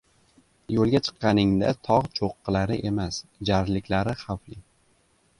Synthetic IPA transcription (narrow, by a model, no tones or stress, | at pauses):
jolˠɡʲat͡ʃʰɨ̥qːɑnɪŋd̪a̰t̪ʰɒʁt͡ʃʰoqʰːɨlaɾɪʔe̞masd͡ʒaɾlɪkʲʰlaɾɪχawflɪ